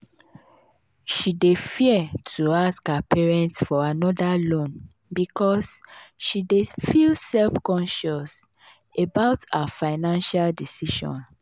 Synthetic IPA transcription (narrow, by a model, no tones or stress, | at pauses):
ʃidefiɛtʰuaskapʰɛɹɛ̃ntfɔanɔdalõn | bikʰɔsʃidefilsɛlfkɔ̃nʃɔs | ebaʊtafaɪnãnʃaldisiʃɔ̰̃n